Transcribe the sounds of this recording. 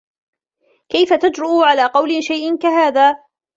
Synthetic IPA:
kajfat̪ad͡ʒɾʊʔʕalaːqɑwlɪʃajʔɪnkaɦaːðaː

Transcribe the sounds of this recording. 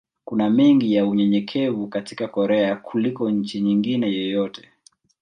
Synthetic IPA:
kunamɛŋɡijauɲɛɲɛkʰɛvukati̥kakɔɾɛakʰulikɔɲ̩t͡ʃiɲiŋɡinɛjɔjɔtɛ̥

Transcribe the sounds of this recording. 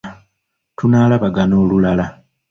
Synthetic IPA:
tunaːlaβaɡano̞ːlulala

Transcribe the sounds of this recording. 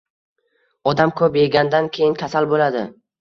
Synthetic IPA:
ɒd̪amkʰɵpjeɡʲand̪ankʲʰejɪnkʲʰasalbolad̪ɪ̰

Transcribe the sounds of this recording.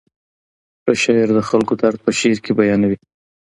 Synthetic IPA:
paʃɑɪɾd̪əxalkot̪aɾt̪̚pəʃeɾkebajɑnawi

